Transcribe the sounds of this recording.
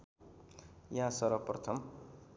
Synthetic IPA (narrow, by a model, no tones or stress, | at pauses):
jaɦãsʌɾʌprʌt̪ʰʌm